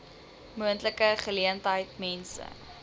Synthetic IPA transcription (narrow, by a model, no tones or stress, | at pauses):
muəntləkəχəliəntɦəjt̚mɛnsə̰